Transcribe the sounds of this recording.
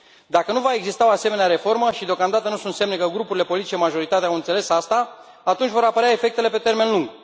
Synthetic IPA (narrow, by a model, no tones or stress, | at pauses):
d̪akənuvaeɡzist̪ao̞ase̞me̞neaɾe̞fo̞rməʃid̪eokamd̪at̪ənusunt̪se̞mnekəɡɾupuɾile̞po̞lit̪it͡ʃemaʒo̞ɾit̪at̪eawɨnt̪se̞le̞sast̪aː | t̪unt͡ʃʲvo̞ɾapəɾeaefe̞kt̪e̞le̞pe̞t̪e̞rme̞nluŋɡ